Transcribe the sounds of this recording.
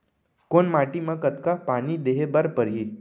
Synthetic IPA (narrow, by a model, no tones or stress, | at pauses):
koɳmaʈiːməɡkːət̪kapañiːd̪eɦebəɾpəɾɦiː